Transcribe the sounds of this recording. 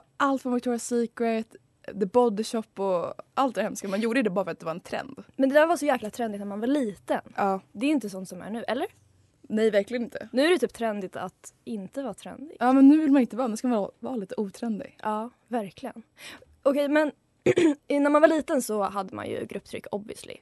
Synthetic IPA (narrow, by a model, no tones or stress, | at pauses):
ʔalt̪fɔɾmakt̪ʰɔːɾɪasiːkɛt̪ | d̪ɛbɔd̪ɕɔpːɔʔalt̪d̪ɛhɛmskamanjuːɖəd̪əbɑːɾafœɾat̪̚d̪ɛvaɾɛnt̪ʰɾɛ̰nd̪mɛnd̪ɛd̪æːɾvaʂɔjæːklat̪ʰɾɛnd̪ɪt̪næɾmanvaɾliːt̪ənʔɑːd̪ɛɾʏʏnt̪əsɔnt̪sɔmæ̰ɳʉ̟ːʔɛlːəɾ | nɛjvæɾklɪɡənɪnt̪ʰənʉ̟ːæɾɛt̪ʰyːp̚t̪ʰɾɛnd̪ɪt̪ʰa̰t̪ɪnt̪əvɑːt̪ʰɾɛ̰nd̪ɪɡɑːmɛnːʉ̟ːvɪlmanɪnt̪əvɑːnʉːskamavɑːliːt̪əuːt̪ʰɾɛnd̪ɪ̰ɡʔɑː | væɾkʰlɪɡən | ʔɔkʰɛjmɛn | næɾmanvaɭiːt̪ənsɔɦad̪ːəma̰njɵ̰ɡɾɵpːt̪ʰɾʏ̰kːɔbvɪ̰slɪ̰